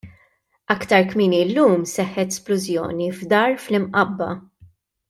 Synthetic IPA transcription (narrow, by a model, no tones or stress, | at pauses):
ɐkt̪ɐɾkmɪːnilːuːmsɛħːɛt̪splʊzjɔ̰ːnivd̪ɐːɾflɪmʔɐbːɐ̰